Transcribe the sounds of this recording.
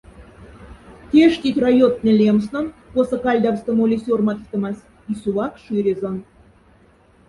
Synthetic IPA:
t̪ʲeʃt̪ʲit̪ʲrajot̪̚nʲĕlʲemsnə̆nposɤ̆kɑlʲd̪ɑvst̪ə̆molʲisʲormɑt̪kt̪ə̆mɑs | isuwɑkʃyɾʲezɑn

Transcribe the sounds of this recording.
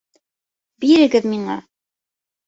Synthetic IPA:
biɾɘ̆ɡɘðmiɴɑ̰

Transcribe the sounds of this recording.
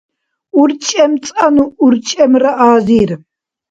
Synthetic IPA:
uɾt͡ʃʼɛmt͡sʼanuːɾt͡ʃʼɛmɾaʔaːziːɾ

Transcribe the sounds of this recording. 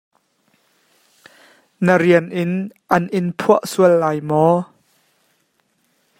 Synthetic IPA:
nəɾiənʔɪnʔɐnʔɪnpʰuəʔsuəlːaːjmɔ

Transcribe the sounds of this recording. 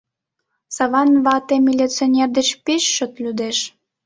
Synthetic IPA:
sɑβɑnβɑt̪emʲilʲitt͡sionʲerd̪et͡ɕpeʃːə̆t̪lʲyd̪eʃ

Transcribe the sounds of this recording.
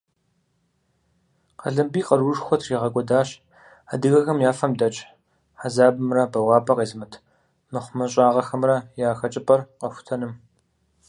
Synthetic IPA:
qɐɮɨmbiːqɐrwʊʂxʷɔtʰriːʁɐɡʷʼɔdaːɕ | adɨɣɐxɐmjaːfɐmdɐt͡ʃʼ | ħazaːbɨmrɐbɐwɑːpʼɐqeːzɨmɐtʰ | mɨχʷʊmɐɕ̬ʼaːʁɐxɐmrɐjaːxɐt͡ʃʼɪpʼɐrqɐxʷtʰɐnɨm

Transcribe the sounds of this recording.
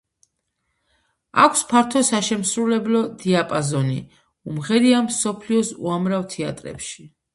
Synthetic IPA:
a̰kʷʰspʰaɾt̪ʰɔsaʃɛmsɾulɛblɔd̪iapʼazɔnḭ | umʁɛɾiamsɔpʰliɔsṵamɾavt̪ʰɛat̪ʼɾɛ̰pʃi̥

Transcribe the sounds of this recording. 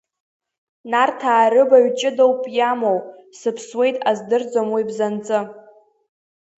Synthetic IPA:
nartʰaːɾɨbaɥt͡ʃʼɪdowpʼjamowsɨpʰswe̞jtʼazdɨrd͡zamwibzant͡sʼɨ

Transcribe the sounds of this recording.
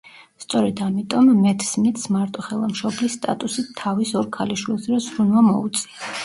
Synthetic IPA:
st̪sʼɔɾɛd̪amit̪ʼɔmːɛt̪ʰsmit̪smaɾt̪ʼɔχɛlˠamʃɔblisːt̪ʼa̰t̪ʼusit̪ʰːavisɔɾkʰaliʃwilˠsd̪ɾɛsɾunvamɔ̰ut̪sʼia

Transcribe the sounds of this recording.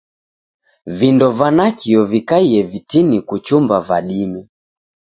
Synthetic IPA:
vindɔvanakiɔvikaiɛvitinikut͡ʃumbavaɗimɛ

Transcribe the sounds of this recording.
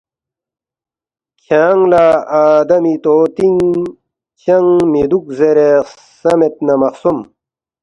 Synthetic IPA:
kʰaːŋlaaːd̪ɐmit̪oːt̪iŋ | t͡ɕɐŋmid̪uk̚zeɾe | sɐmet̪̚nɐmɐqsum

